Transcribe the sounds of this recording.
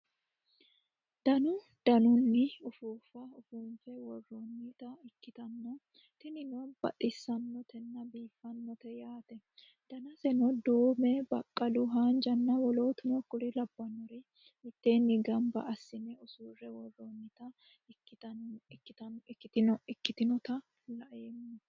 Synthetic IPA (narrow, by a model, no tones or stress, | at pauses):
d̪̥ɐnʊ | d̪̥ɐnʊnːɪʊfuːfɐʊfuːmfɛwɔrːonːɪt̪ɐɪkːɪt̪ɐnːɔ | t̪ɪnɪnɔb̥ɐ̰t̪ʼɪsːɐnːɔt̪ʰɛnːɐbiːfːɐnːɔt̪ɛjaːt̪ɛ | d̪̥ɐnɐsɛnɔd̪uːmɛbɐkʼːɐlʊɦaːnd͡ʒɐnːɐwɔloːt̪ɪnɔkʊɾɪlɐbːɐnːɔɾɪ | hɪt̪ːeːnːɪɡɐmbɐ̰ʔɐsːɪnɛʊsuːrːɛwɔrːonːɪt̪ɐ | ɪɪt̪ɐɪt̪ɐːɪt̪ɪnɔɪkːɪt̪ɪnɔt̪ɐ | lɐʔemːɔ